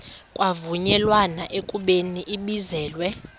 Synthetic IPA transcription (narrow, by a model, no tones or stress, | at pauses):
kʼwavuɲɛlwanaʔekʼuɓeniʔiɓizɛːlwɛ